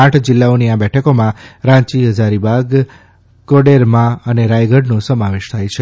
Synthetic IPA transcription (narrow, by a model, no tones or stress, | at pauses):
ãʈʰd͡ʒɪlːaoniabɛʈʰəkomãɾãt͡ʃiɦəd͡ʒaɾibaɡ | koɖeɾmãəneɾajɡəɖnũsəmaʋeʃt̪ʰajt͡ʃʰe